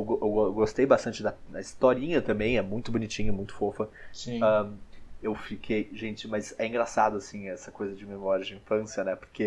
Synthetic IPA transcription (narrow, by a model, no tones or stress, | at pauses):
ewɡoewɔwɡost̪ejbast̪ɐ̃nt͡ʃɪd̪ɐd̪ɐist̪ɔɾĩɲɐt̪ɐ̃mbẽj̃ɛmũj̃t̪ʊbonit͡ʃĩɲʊɪmũj̃t̪ʊ̥fofɐssĩɐ̃ | ewfikʰejʒẽnt͡ʃɪmɐzɛĩŋɡɾasad̪ʊasĩɛsɐkojzɐd͡ʒɪmemɔɾjɐd͡ʒɪĩfɐ̃siɐnɛpo̥ɾkʰe